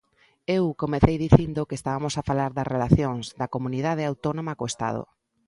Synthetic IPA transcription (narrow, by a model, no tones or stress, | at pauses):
ewkomeθejðiθind̪okeːst̪aβamosafalaɾðɐzrelaθjoŋzd̪ɐkomuniðað̞eawt̪onomakoest̪a̰ð̞o̰